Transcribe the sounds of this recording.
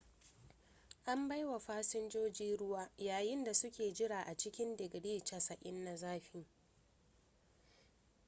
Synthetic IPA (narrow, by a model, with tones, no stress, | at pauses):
ʔa˦mba˦jwa˨ɸaː˦sɪ˦nd͡ʒoː˦d͡ʒiː˦ɽʊ˦waː˦jaː˨jɪ˦nda˨sʊ˦kʲeː˨d͡ʒɪ˦ɽaː˨ʔa˨t͡ʃɪ˦kʲɪ˦ndɪ˨ɡɽiː˦t͡ʃɐ˨sɐ˨ʔʲʼɪ˦nːa˨zaː˦ɸɪ˦ŋ